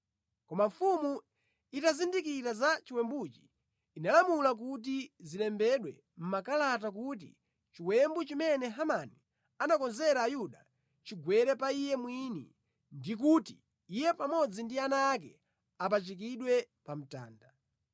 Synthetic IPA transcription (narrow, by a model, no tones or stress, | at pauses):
kɔmaɱfumu | itazindikiɾazat͡ʃiwɛmbut͡ʃi̥ː | nalamulak̬ut̬izilɛmbɛɗwɛ | m̩makalatakut̬ḭ | t͡ʃiwɛmbut͡ʃimɛnɛɦamani | anakɔnzɛɾaːjuɗa | t͡ʃiɡwɛɾɛpaijɛmwinḭ | ndik̬uti | ijɛpamɔd͡zindianaːkɛ̰ | apat͡ʃik̬iɗwɛ | pam̩ta̰ːnda